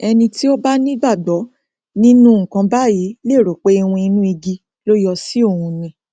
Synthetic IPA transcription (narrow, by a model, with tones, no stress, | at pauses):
ɛ˧nĩ˧ti˦o˦ba˦nĩ˦ɡ͡ba˦˨ɡ͡bɔ˨˦ | nĩ˦nũ˦ŋ̩˨kã˧ba˦˨ji˨˦le˦˨ɾo˨k͡pe˦i˧wũ˧i˧nũ˦i˧ɡi˧ | lo˦jɔ˧si˦o˦˨hũ˧nĩ˧